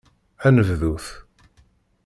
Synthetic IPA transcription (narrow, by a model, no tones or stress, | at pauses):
ænəvðuθ